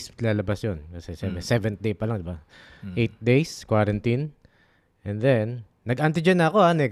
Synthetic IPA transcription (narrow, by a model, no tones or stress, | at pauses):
slaːlɐbasjonkɐsɛʃɛmbɛsɛvɛn̚d̪ejpɐlaŋd̪ɪba | ʔejt̪̚d̪ejskwaɾɐnt̪in | ʔɛ̃nd̪ɛnː | ɐɡʔant̪̬ɪd͡ʒɛnɐɐko̞anɛ